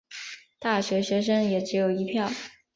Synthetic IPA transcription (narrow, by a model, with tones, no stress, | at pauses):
t̪a˥˩ɕɥɛ˧˥ɕɥɛ˧˥ʂ̬ɤ˥ŋjɛ˨˩ʈ͡ʂɻ̩˧˥jo˨˩ʊi˧˥pʰjɑ˥˩ʊ